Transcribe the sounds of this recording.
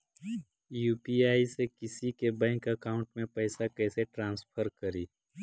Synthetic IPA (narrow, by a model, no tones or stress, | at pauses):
juːpiaːisekɪsikebɛ̃ːŋkəkaːʊ̃ɳʈmẽpɛːsakɛːseʈɾãːnspʰəɾkəɾiː